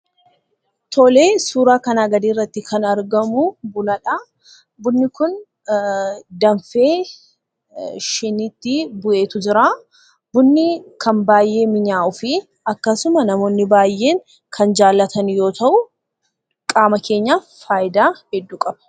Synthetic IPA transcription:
t̪ʰɔle̞ːsuːɾaːkɐnaːɡɐd̪iːrːɐt̪ːɪkʰɐnɐɾɡɐmʊbʊlɐᶑa | bʊnːɪkʊn | d̪ɐnfe̞ː | ʃɪnɪt̪ːɪbʊʔe̞ːt̪ʊd͡ʒɪɾaː | bʊnːɪkʰɐnbaːjːe̞ːmɪɲaːʔʊfɪ | ɐkːɐsʊmɐnɐmo̞ːnːɪbaːjʔe̞ːŋ | kʰɐnd͡ʒaːlːɐt̪ʰɐnjo̞ːt̪ɐʔʊ | kʼaːmɐkʰe̞ːɲːaː | faːʔɪd̪aːhɛd̪ːuːkʼɐb̥ɐ̥

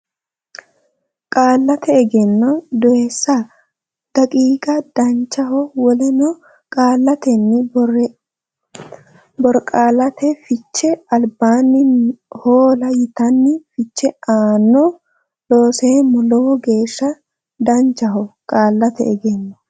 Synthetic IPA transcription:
kʼaːlːɐt̪ɛɛɡɛnːɔd̪ɔɛsːɐ | d̪̥ɐkʼiːɡɐd̪̥ɐnt͡ʃːɐhɔwɔlɛnɔ | kʼaːlːɐt̪ɛnːɪ | bɔɾkʼaːlɐt̪ɛfɪt͡ʃːɛɐlbaːnːɪnhoːlɐjɪt̪ɐnːɪfɪt͡ʃːɛaːnːɔ | loːseːmʊlɔwɔɡe̞ːʃːɐ | d̪ɐnt͡ʃːɐɦɔkʼaːlːɐt̪ɛ̰ʔɛɡɛnːɔ

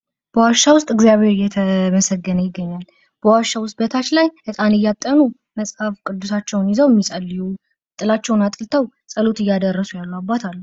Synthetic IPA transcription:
b̥əwaʃːawʊst̪ʼɨɡzijaβheɾjɛt̪ʰəməsəɡːənəjɪɡːəɲːal | b̥əwaʃːawʊst̪̚ʼbət̪ʰat͡ʃlajkʰət̪ʼanɨjːat̪ʼːənu | məsʼhafkʼɨd̪ːusat͡ʃːɛwnjɪzəwjɛmːisʼəlːiju | t̪ʼɨlat͡ʃːɛwnat̪ʼɨlt̪ʰəwsʼəlo̞t̪ɨjːad̪ərːəsujalːuabːat̪ʰalːu

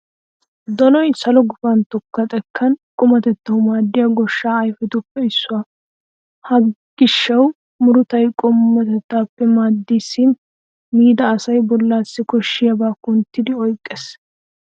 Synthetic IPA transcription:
d̪ɔnɔjsɐlɔɡʊfɐnt̪ɔkːɐt̪ʼɛkʰːɐnkʼʊmɐt̪ɛt̪ːɐwʊmaːd̪ːɪjɐɡɔʃːaːɐjfɛt̪ʊpːɛɪsːʊwa | hɐɡ̥ɪʃːɐw | mʊɾʊt̪ɐjkʼʊmːɐt̪ɛt̪ːaːpːɛmaːd̪ːisːin | miːd̪ɐːsɐjbɔlːaːsːɪkɔʃːɪjɐbaːkʊnt̪ːɪd̪ɪɔjkʼːɛs

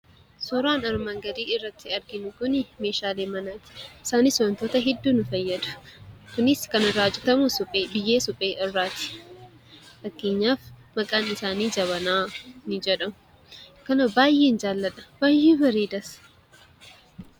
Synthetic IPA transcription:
sɔɾaːnɐɾmɐŋɡɐd̪iːɪrːɐt̪ːɪɐɾɡɪnʊkʊnɪme̞ːʃaːleːmɐnaːt̪ɪ̥ʔɪsaːniːsɔɐnt̪oːt̪ɐɦɛd̪ːuːnʊfɐjːɐd̪ʊ̥kʊnɪskɐnɪɾaːd͡ʒɪt̪ɐmʊsʊpʼeːbɪjːeːsʊpʼeːʔɪrːaːt̪ɪ̥ | fɐkːeːɲːaːfmɐkʼaːnɪsaːniːd͡ʒɐβɐnaːnɪd͡ʒɛᶑɐmʊ̥ | kɐnɐbaːjːeːnd͡ʒaːlːɐᶑɐ̥b̥aːjːeːbɐɾeːd̪ɐs

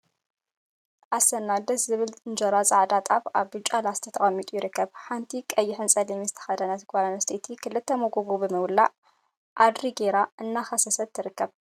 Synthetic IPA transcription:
ʔasɐnːad̪ɐszɨβɨlʼɨnd͡ʒɐɾazʼaʕd̪at̪ʼaβaβbɨt͡ʃʼalazɨt̪ʰɐt̪ʰɐχʼɐmːit̪ʼujɪɾɨkːɐβħant̪ʰikʼɐjːɪħɨnt͡sʼɐlimizɨt̪ʰɐ̥xɐd̪ɐnɐt̪kʼalanɐst̪ʰet̪ʰikʰɨlːɨt̪ʰːɐmoɡoɡobɨmɐwlːa | ʔad̪ɾiɡeɾaʔɨnːaxɐsɐsɐt̪ʰːɨɾɨkːɐβ

